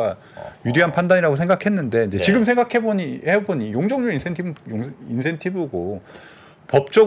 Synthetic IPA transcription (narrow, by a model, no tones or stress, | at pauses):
a | judiɦanpʰandaɲiɾaɡosʰe̞ŋɡakʰe̞nːɯnde̞ind͡ʑe̞t͡ɕiɡɯmsʰe̞ŋɡakʰe̞boiheboɲijoŋd͡ʑʌŋɲoinsʰentʰibŋinsʰe̞ntʰibɯɡo | pʌp̚t͡ɕ͈ʌ